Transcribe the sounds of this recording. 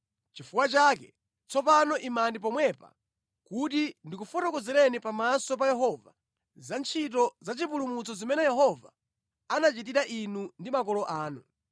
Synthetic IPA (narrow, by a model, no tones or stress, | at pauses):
t͡ʃifukwat͡ʃakɛ | t͡sʰɔpanɔʔimandip̬ɔmwɛpa̰ | kutindikufɔtɔkɔzɛɾɛnipamasɔpajɛɦɔva̰ | zant͡ʃʰit̬ɔzat͡ʃipulumut͡sɔzimɛnɛjɛɦɔva̰ | anat͡ʃit̬iɾaʔinundimakɔlɔʔaːnu